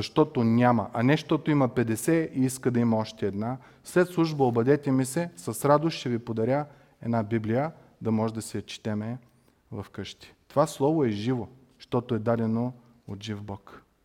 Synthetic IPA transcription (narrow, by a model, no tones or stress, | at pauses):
zɐʃt̪ɔt̪onʲamɐ̰ʔɐnɛʃt̪ɔt̪oimɐpɛd̪ɛsɛiiskəd̪ɐimɐɔʃt̪ɛːd̪na | slɛt̪slˠuʒbəobɐd̪ɛt̪ɛmisɛsɐsɾad̪oʃʃɛvipod̪ɐɾʲa | ɛd̪nabiblijə | d̪ɐmɔʒɛd̪ɐsɛjɐt͡ʃi̥t̪ɛmɛ | vɐfkɤʃt̪i̥t̪ovaslˠɔvoɛʒivo | ʃt̪ɔt̪oɛd̪ad̪ɛno | ot̪ʒivbɔk